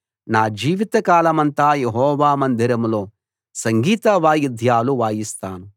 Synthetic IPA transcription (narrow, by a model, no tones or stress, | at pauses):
naːd͡ʒiːʋit̪ɐkaːlɐmɐnt̪aːjeɦɔːʋaːmɐnd̪ʱiɾɐmlo̞ː | sɐŋɡiːt̪ɐʋaːjid̪ʱjaːluʋaːjist̪aːnu